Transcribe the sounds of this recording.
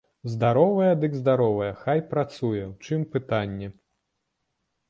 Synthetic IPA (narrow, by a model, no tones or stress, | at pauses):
zd̪aɾɔvɐjɛd̪ɨɡzd̪aɾɔvɐjɛxajpɾat̪sujɛwt͡ʂɨmpɨt̪anʲːɛ